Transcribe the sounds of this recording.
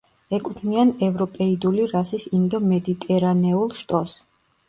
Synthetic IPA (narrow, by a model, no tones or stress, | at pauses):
ɛkʼut̪ʰnianɛvɾɔpʼɛid̪uliɾasisind̪ɔmɛd̪it̪ʼɛɾanɛulˠʃt̪ʼɔs